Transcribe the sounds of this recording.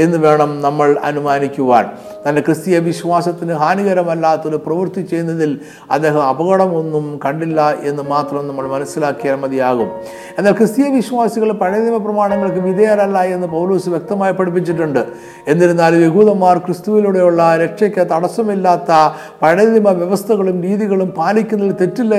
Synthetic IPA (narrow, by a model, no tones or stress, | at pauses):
e̞nːɨʋe̞ːɳɐmnɐmːɐɭɐ̰numaːnikʲːuʋa̰ːɳ | t̪ɐnːe̞krɨst̪ijɐʋiɕʋaːsɐt̪ːinɨɦaːniɣɐɾɐmɐlːaːt̪ːoɾuprɐʋɨrt̪it͡ɕe̞jnːɐðil | ɐ̰d̪e̞ːɦɐmɐbɐɣɐɽɐmo̞nːumkɐɳɖilːɐe̞nːɨmaːt̪rɐmnɐmːɐɭmɐnɐsːilaːkːijaːnmɐd̪ʱijaːɣum | e̞nːaːlkrɨst̪ijɐʋiɕʋaːsiɣɐɭpɐɻɐimɐprɐmaːɳɐŋːɐɭk̬ɨʋid̪ɐjalɐlːaːjenːɨpɐwlo̞ːsuʋjek̚t̪ɐmaːjipːɐɽip̬ːit͡ɕːiʈ̬ːuɳɖɨ | e̞nːiɾunːaːlje̞ɣuːðɐmːaːrkrɨst̪uʋiluɽe̞juɭːɐɾe̞kʂɐkʲːɐt̪ɐɽɐsɐmilːaːt̪ːɐ | pɐɻɐimɐʋjeʋɐst̪ʰɐɣɐɭumɾiːðiɣɐɭumpaːlikʲːunːɐðilt̪e̞tːilːɐ